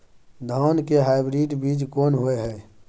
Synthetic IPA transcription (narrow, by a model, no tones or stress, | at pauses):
d̪ʱaːnkeɦaːɪbɾiːɖbiːd͡ʒkoːnɦʊeɦɛː